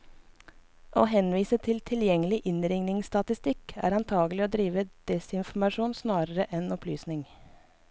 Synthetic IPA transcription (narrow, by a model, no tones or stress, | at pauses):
ʔoːɦɛnʋiːsət̪ʰɪlt̪ʰɪljɛŋəlɪʔɪnɾɪŋnɪŋst̪ɑt̪ɪst̪ɪkæ̰ːɾɑnt̪ʰɑːɡəlɪoːd̪ɾiːʋəd̪̥ɛsɪnfɔmɑʃuːnsnɑːɾəɾəʔɛnɔpʰlyːsnɪŋ